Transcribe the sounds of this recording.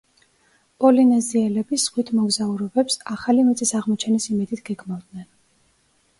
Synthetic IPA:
pʼɔlinɛziɛlɛbisʁwit̪ʰmɔɡzauɾɔbɛpsaχalimɛt̪sʼisaʁmɔt͡ʃʰɛnisimɛd̪it̪ʰɡ̥ɛɡmavd̪nɛn

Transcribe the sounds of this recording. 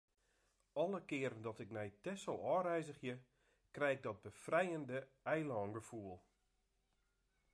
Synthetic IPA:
ɔlˠəkɪəɾəndɔtɪknɛjtɛsəlˠɔːrɛjzəχjə | krɛjɪɡ̚dɔt̚bəfrɛjəndəɛjlɔːnɡəfuəlˠ

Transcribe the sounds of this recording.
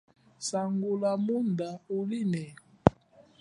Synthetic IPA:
saŋɡolamundaolinɛ

